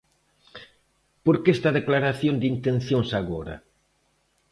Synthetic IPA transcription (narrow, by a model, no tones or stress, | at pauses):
poɾkest̪aðeklaɾaθjond̪int̪ẽnθjoŋsaɣoɾɐ̰